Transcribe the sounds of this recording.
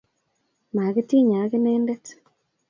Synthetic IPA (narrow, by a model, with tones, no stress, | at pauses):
ma˨kɪ˦ti˦ɲa˨˦kɪ˦neː˦ndɛ˦t